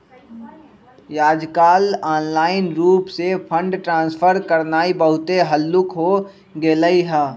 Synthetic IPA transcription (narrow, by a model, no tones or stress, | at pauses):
jaːd͡ʒkaːlaːnlaːɪnɾuːpsepʰə̃ɳɖʈɾãːsfʰəɾkəɾnaːibəɦʊt̪eɦəlːʊkɦo | ɡeːləiɦɛː